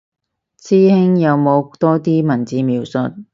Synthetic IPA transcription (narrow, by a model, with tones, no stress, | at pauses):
t͡sʰiː˥hɪ˥ŋjɐ˨˧wmo˨˧wt̪ɔː˥t̪iː˥mɐ˨˩nt͡siː˨˧miː˨˧wsɵ̰˨t̚